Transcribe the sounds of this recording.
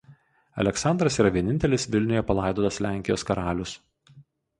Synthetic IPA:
ɐ̰lʲɛksɑnd̪ɾɐsiːɾɐʋʲiɛnʲɪnʲt̪ʲɛlʲɪsʋʲɪlʲnʲʊjɛpɐlˠɑˑɪd̪oːt̪ɐslʲæˑŋʲkʲɪjo̰ːskɐɾɑːlʲʊs

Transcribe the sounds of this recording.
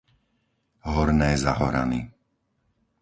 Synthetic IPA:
ɦɔɾnɛːzaɦɔɾa̰ni

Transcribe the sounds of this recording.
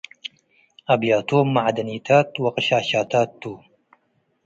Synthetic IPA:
ɐbjaːt̪oːmːaʕd̪ɐniːt̪ʰaːt̪wɐqɨɕaːɕaːt̪aːt̪ːuː

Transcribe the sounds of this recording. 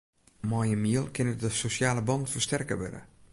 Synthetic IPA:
mɔjəmiəlˠkʰɪnədəsosjaːləbɑntfərstɛrkə̰ʋɛ̰də̰

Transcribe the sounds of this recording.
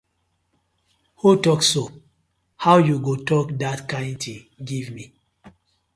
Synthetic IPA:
hutɔkso | hawjuɡotɔkdatkãɪ̃ntĩŋ | ɡivmi

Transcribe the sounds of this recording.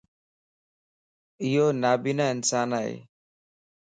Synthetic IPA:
ijonabinaɪnsanaj̰

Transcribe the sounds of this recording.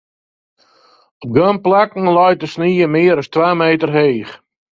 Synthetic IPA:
ɔp̚ɡømplakŋ̩lɔjtəsniːəmɪːəɾɔstʋaːmeːtərɦeːχ

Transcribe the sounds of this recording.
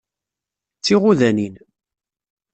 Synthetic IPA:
t͡sːiʁuðænin

